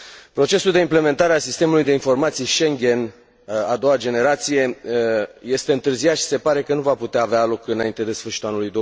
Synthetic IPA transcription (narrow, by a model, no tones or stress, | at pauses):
pɾo̞t͡ʃe̞suld̪e̞imple̞me̞nt̪aɾeasist̪e̞mulujd̪e̞info̞rmat̪sijʃe̞ŋɡʲe̞n | ad̪o̞wad͡ʒe̞ne̞ɾat̪sije̞ | je̞st̪e̞ɨnt̪ɨrzijat̪ʃi̥se̞paɾe̞kənuvaput̪eaːvealo̞kɨnaint̪ead̪e̞sfɨrʃit̪ulanulujd̪o